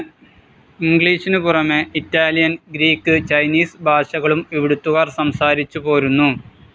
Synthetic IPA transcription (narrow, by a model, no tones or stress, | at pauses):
iŋɡɭiːʂinɨpurɐmeitːaːljɐnɡɾiːkːɨt͡ɕɐjniːsbʱaːʂɐɣɐɭumiʋiɽut̪ːuɣaːrsɐmsaːɾit͡ɕːupo̞ːɾunːu